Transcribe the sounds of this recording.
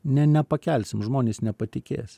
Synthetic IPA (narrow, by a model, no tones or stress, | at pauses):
nʲɛnʲɛpɐkʲɛlʲsʲɪmʒmoːnʲeːsnʲɛpɐt̪ʲɪkʲḛːs